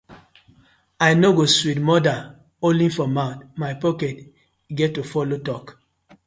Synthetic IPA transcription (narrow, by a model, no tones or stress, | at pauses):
ajnoɡoswitmɔda | olĩnfɔmaʊtmajpɔkɛt | ɡɛttːufɔlotɔk